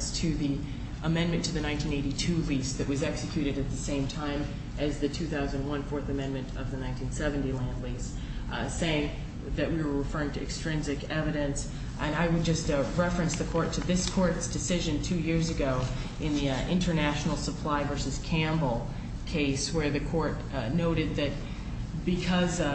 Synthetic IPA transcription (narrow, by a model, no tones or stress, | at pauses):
stʰɨði | ʔəmɛ̃nmɨ̃ntʰɨðɨnãɪ̃ntʰĩneɪɾitʰʉlist̚ðɨʔ̚wʌzɛksɨkʰj̥ʉɾɨɾɨt̪̚ðɨsẽɪ̃mtʰãɪ̃m | ʔɨzðɨtʰʉθaʊzɨ̃nd̚wʌ̃nfɔɹθɨmɛ̃nmɨ̃ntʌvðɨnãɪ̃ntʰĩnsɛvɨ̃n̩tilæ̃ndˡlis | seɪɪ̃ŋ | ðɨʔ̚wiwə˞ɹɨfɜ˞ɪ̃ŋtʰɨɨkstɹ̥ɪ̃nzɨkɛvɨɾɨ̃ns | ʔɨ̃naɪwɨd̚d͡ʒʌstɹɛfɹɨ̃nsðɨkʰɔɹtʰɨðɪskʰɔɹtsd̥ɨsɪʒɨ̃ntʰʉjɪɹzɨɡoʊ | ʔɨ̃nðiɪ̃ntə˞næʃn̩l̩ˠsəpʰl̥aɪvɜ˞sɨz̥kʰæ̃mbl̩ˠ | kʰeɪswə˞ðɨkʰɔɹt | noʊɾɨd̪̚ðɨt̚ | b̥ɨkʰʌz